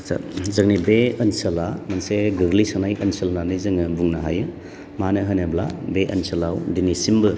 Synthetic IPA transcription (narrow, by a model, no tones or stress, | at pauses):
sa̰zɐŋnibeɐnsɐlamɐnseɡɯɡlisanajɐnsɐlnanɯjzɯŋɯbuŋnaɦajɯ | manɯɦɐnebla̰beʔɐ̰nsɐlawdinisimbɯ